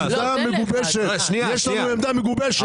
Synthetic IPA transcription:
d̪ameɡubɛʃe | nijɛʃlauɛmd̪ameɡubɛʃ

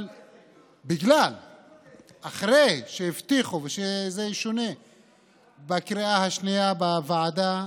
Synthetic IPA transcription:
l | biɡlal | aχʁejʃejift̪iχuveʃezeʃone̞ | bakɾiahaʃnijabavaʕad̪a

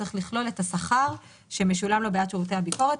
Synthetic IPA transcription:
eχliχlo̞le̞tasaχaʁ | ʃe̞meʃulamlo̞beatt͡ʃʁoteabiko̞ʁet

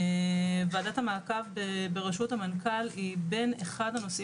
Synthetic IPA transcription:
vaːdathamaːkavbebeʁeʃuthamankalibe̞neχadhano̞si

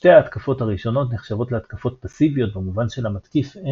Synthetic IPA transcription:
te̞aːt̪kafo̞thaʁiʃo̞no̞tneχʃavo̞tleat̪kafo̞t̚pasivijo̞t̚bemuvanʃe̞lamatkife

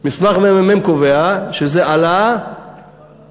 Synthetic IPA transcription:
mismaχmemememkoveaʃezeʔala

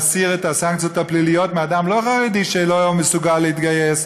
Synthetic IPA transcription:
siʁet̪asaŋkt͡sijot̪aplilijot̪mead̪amloχaʁed̪iʃelojomesuɡalːeit̪ɡajes

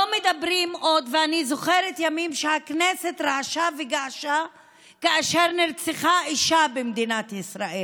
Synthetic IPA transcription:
lomed̪abɾimʔo̞d̪veanizo̞χeɾet̪jamimʃehaknese̞t̪ʁaaʃaveɡaaʃa | kaaʃeʁniʁt͡seχaiʃabemd̪inat̪isɾaʔel

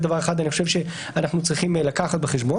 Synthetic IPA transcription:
d̪avaʁexad̪aniχoʃevʃe | anaχnut͡sʁiχimlakaχat̪̚beχeʃbo

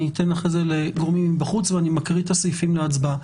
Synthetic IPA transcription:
it̪enlaχezeleɡoʁmimibaχut͡sveanimakʁitasojfimleat͡sba

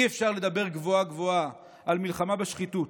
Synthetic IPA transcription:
iefʃaʁle̞d̪abe̞ʁɡvoaɡvo̞a | ʔalmilχamabeʃχitut

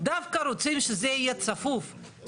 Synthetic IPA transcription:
d̪afkaɾot͡simʃezeijet͡safuf

